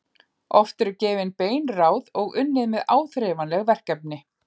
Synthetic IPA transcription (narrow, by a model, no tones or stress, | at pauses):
ɔft̪ɛɾcɛːvɪnpeːjnraːwðɔɣʏnːɪðmɪðaːwθɾɛvanlɛɣvɛr̥kɛp̚nɪ